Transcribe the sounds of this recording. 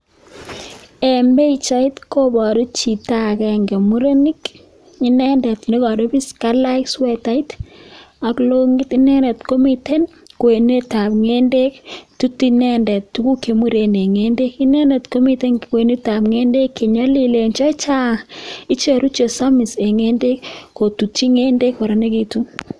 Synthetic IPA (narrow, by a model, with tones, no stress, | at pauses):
ɛ˨mbe˦i˨t͡ʃa˦ɪ˦tko˦bɔ˨ɾu˦t͡ʃi˨ta˦˨kɛ˨ŋɡɛ˨mu˦ɾe˦ni˦k | i˦nɛ˦ndɛ˨tni˦kɔ˨ɾo˦bi˦ska˦la˦ɪkswɛ˨ta˦i˦t | a˨klo˦ŋɡɪ˦ti˦nɛ˦nɛ˨tko˦mi˦te˦n | kwe˨ne˦ta˨pŋe˦nde˦ktu˦tːi˦nɛ˦ndɛ˨ttu˦ku˦ke˨mu˦ɾe˨ne˨ŋe˦nde˦ki˦nɛ˦nɛ˨tko˦mi˨˦te˦nkwe˨ni˦ta˨pŋe˦nde˦kːe˨ɲɔ˦li˨le˨nt͡ʃɔ˦t͡ʃa˦i˦t͡ʃe˨ɾu˦t͡ʃe˨sa˦mi˨se˨ŋe˦nde˦kːo˨tu˨tːi˦ŋe˦nde˦kwo˨ɾe˨ne˦ki˦tu˦